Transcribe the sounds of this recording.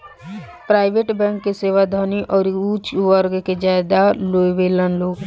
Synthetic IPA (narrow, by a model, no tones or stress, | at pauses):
pɾaːɪʋeʈbɛ̃ːŋkːeseːʋad̪ʱaːniʔɔːɾuːt͡ʃʋəɾɡked͡ʒaːɪd̪aloːʋeːlənloːɡ